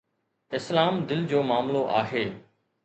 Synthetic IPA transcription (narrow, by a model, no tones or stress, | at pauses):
ɪslaːmd̪ɪld͡ʑoːmaːmloʔa̰ːɦeː